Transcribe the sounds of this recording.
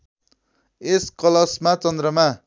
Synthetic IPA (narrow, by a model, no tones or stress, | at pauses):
eskʌlʌsmat͡sʌnd̪rʌma